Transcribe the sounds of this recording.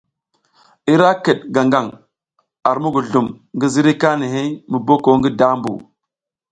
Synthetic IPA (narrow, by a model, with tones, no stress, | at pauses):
i˦ɾa˦kə˨ɗ̚ɡa˨ŋɡa˨ŋ | a˨ɾmu˦ɡu˨ɮu˨m | ŋɡi˦zi˦ɾi˦ka˦ni˨ɦi˦mə˨bo˦ko˨ŋɡi˦da˦mbṵ˨